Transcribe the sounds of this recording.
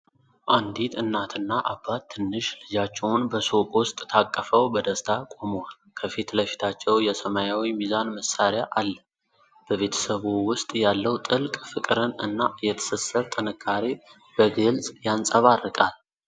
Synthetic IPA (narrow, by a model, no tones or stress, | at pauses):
ʔand̪it̪ɨnːat̪ʰɨnːaʔabːat̪ʰːɨnːɨʃlɨd͡ʒat͡ʃːɛwʊnbəsokʼwʊst̪ʼt̪ʰakʼːəfəwbəd̪əst̪ʰakʼo̞mwalkʰəfit̪ləfi̥t̪ʰat͡ʃːɛwjɛsəmajawimizanməsaɾjaʔalːə | b̥əβe̞t̪ʰə̥səβuwʊst̪ʼjalːəwt̪ʼɨlkʼfɨkʼɾənɨ̰nːajɛt̪ʰə̥səsəβt̪ʼənəkʰːaɾe | b̥əɡɨlsʼjansʼəβarːɨkʼal